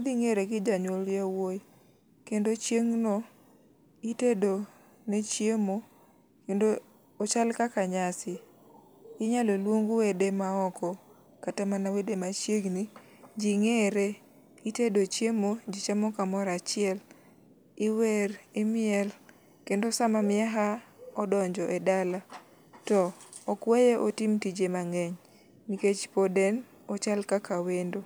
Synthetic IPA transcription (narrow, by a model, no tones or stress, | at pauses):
d̪iŋeɾeɡɪd͡ʒaɲwoljawoj | kendot͡ʃjeŋnɔ | itedo | net͡ʃjemo | kendoː | t͡ʃalkakaɲasɪ | ɪɲalɔlwoŋɡowedemaɔkɔ | katamanawedemat͡ʃjeɡni | d͡ʒiŋeɾe | itedot͡ʃjemod͡ʒit͡ʃamɔkamɔɾat͡ʃɪɛl | ɪweɾɪmɪɛl | kendosamamɪaɦaɔdɔɲd͡ʒɔʔɛdala | tɔːkwejeʔotɪmtid͡ʒemaŋɛɲ | niket͡ʃpodɛn | ɔt͡ʃalkakʰawendo